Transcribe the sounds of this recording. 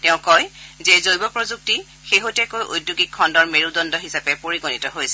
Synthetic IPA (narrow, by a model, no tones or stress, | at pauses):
tɛʊ̃kɔjzɛzojbɔpɹɔzuk̚ti | xeɦotɛkojʔo̰jdjuɡikʰːɔndɔɹmeɹudɔndɔɦisapɛpoɹiɡonitɔɦojsɛ